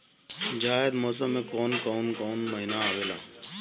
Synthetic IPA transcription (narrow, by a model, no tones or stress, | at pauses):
d͡ʒaːed̪mɔːs̬əmẽkɔːnkɔːnkɔːnməɦinaaːʋeːla̰ː